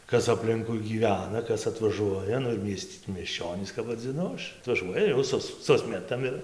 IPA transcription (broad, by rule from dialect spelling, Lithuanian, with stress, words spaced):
ˈkɐs ɐpʲˈlʲɪŋkʊɪ ɡʲiːˈʋʲæːnɐ ˈkɐs ɐtʋɐˈʒuɔjɛ ˈnʊ ɪr ˈmʲiɛsʲtʲ mʲiɛsʲˈt͡ʃʲoːnʲiːs kɐp ʋɐd͡zʲɪˈnʊ ˈɐʃ ɐtʋɐˈʒuɔjɛ jɛʊ ˈsʊs ˈsʊsʲmʲɛtɐm ɪr